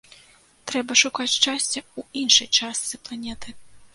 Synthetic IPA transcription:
t̪ɾɛbɐʂukat͡sʲt͡ʂasʲt͡sʲɐuinʂɨjt͡ʂast̪sɨplˠanʲɛt̪ɨ

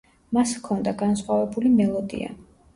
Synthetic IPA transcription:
maskʰɔnd̪aɡansχwavɛbulimɛlˠɔd̪ḭa̰

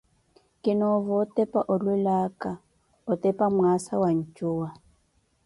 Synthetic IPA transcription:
kʼɪnɔvɔtʼɛpʼaʔʊlwɛlakʼa | ʊtʼɛpʼamwasawaɲ̩t͡ʃʼʊːa

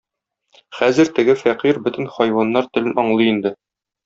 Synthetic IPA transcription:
χæzɘɾt̪ɘ̆ɡɘfæqiɾbɵ̆t̪ɘ̆nχɒjwɑnːɑɾt̪ɘ̆lɘnɒɴlˠɤind̪ɘ

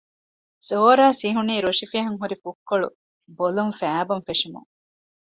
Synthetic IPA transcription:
soːɾaːsiɦuniːɾoʂifiɦɐŋɦuɾifukːoɭṵ | bolumfæːbɐmfeʂumṵŋ

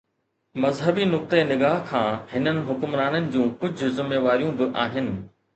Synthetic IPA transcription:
mɐzɦəbinʊk̚t̪enɪɡaːɦkʰãːhɪnənɪ̆ɦʊkʊmɾaːnənɪ̆d͡ʑũːkʊd͡ʑʱʊzɪmːeːʋaːɾijũbɪʔaːɦɪnɪ̆

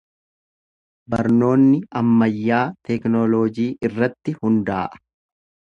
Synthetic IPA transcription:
bɐɾno̞ːnːɪɐmːɐjːaːt̪ɛknɔloːd͡ʒiːʔɪrːɐt̪ːɪhʊnd̪aːʔɐ̥

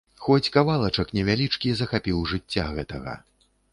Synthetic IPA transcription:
xɔt͡sʲkavalˠɐt͡ʂɐknʲɛvʲalʲit͡ʂkʲizɐxapʲiwʐɨt͡sʲːaɣɛt̪ɐɣɐ̰

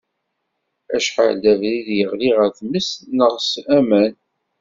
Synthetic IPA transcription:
æʃħa̰ld̪ævɾiðjəʁliʁəθməsnəʁsæmæn

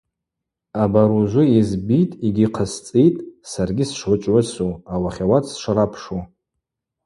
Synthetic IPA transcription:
abaɾuʒʷʊizbitʼiɡʲiqʰəst͡sʼijtʼsarɡʲisʂħʷʊt͡ʃʷʼʕʷʊsuawaχʲawatʰʼsʂaɾapʰʂu

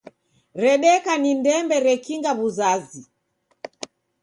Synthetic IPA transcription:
ɾɛɗɛkanindɛmbɛɾɛkiŋɡaβuzazi

